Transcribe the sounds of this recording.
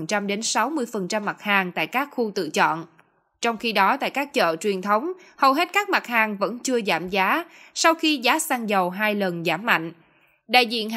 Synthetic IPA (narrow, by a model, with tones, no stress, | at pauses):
nt͡ɕa˧mɗe˨˦nsa˨˦wmɨ˧əjfə˨˩nt͡ɕa˧mːa˨˩t̚haː˨˩ŋt̪a̰ː˧˨jkaː˦˥k̚xu˧t̪ɨ̰˧˨t͡ɕɔ̰˧˨n | t͡ɕɔ˧wŋ͡mxi˧ɗɔ˨˦t̪a̰ː˧˨jkaː˦˥k̚t͡ɕə̰ː˧˨t͡ɕwi˨˩ənt̪ʰə˨˦wŋ͡m | hə˨˩wɦe˦˥t̚kaː˦˥k̚ma˨˩t̚haː˨˩ŋvə̰˧˥nt͡ɕɨ˧əzaː˧˩mzaː˨˦sa˧wxi˧zaː˨˦saː˧ŋzə˨˩wɦaː˧jlə˨˩nzaː˧˩mːa̰˧˨jŋ̟ | ɗa̰ː˧˨jzḭ˧˨ən